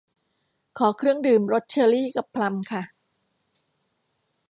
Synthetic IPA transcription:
kʰɔː˩˦kʰɾɯ˥˩əŋdɯː˨˩mɾo˦˥t̪̚t͡ɕʰɤː˧ɾiː˥˩ka˨˩pʰːla˧mkʰa˥˩

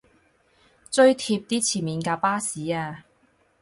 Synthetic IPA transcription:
t͡sɵ˧˥ɥt̪ʰi˧p̚t̪iː˥t͡sʰiː˨˩miː˨˧nkaː˧paː˥siː˨˥˦aː˧

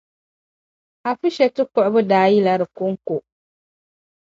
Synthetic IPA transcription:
a˨fu˦ʃɛ˨tɨ˦kʊ˦˨ʔʊ˦bɨ˦daː˦ji˦la˦ɾɨ˨kʊ˦ŋ˦kʊ˨

